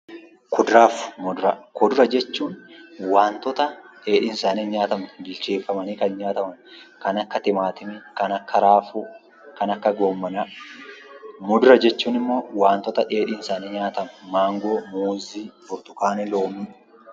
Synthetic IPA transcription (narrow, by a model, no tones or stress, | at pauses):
kɔd̪ɾaːfmʊd̪ɾɐkɔd̪ʊɾɐd͡ʒɛt͡ʃːuːnwaːnt̪ɔt̪ɐᶑe̞ːᶑɪnsaːniɲaːt̪ɐmbɪlt͡ʃeːfːɐmɐniːkɐnɲaːt̪ɐmɐnkɐnɐkːɐt̪ɪmaːt̪ɪmɛkɐnɐkːɐɾaːfʊ | kɐnɐkːɐɡo̞ːmːɐnɐ | mʊd̪ʊɾɐd͡ʒɛt͡ʃːuːnɪmːo̞ːwaːnt̪ɔt̪ɐᶑe̞ːᶑɪnsaːnɛɲaːt̪ɐmɛmaːŋɡo̞ːmoːziːfʊɾt̪ʊkaːnɛloːmiː